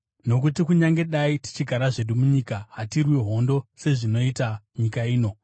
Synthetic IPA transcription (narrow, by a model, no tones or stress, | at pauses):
no̞kutikuɲaŋɡe̞ɗaiti̥t͡ʃiɡʱaɾaʐe̞ɗumuɲikaɦatirwiɦo̞ndo̞se̞ʐino̞itaɲikaiːno̞